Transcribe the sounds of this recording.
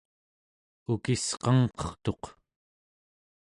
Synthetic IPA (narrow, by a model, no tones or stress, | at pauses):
ukisqɑŋqʌ̥χt̪o̞q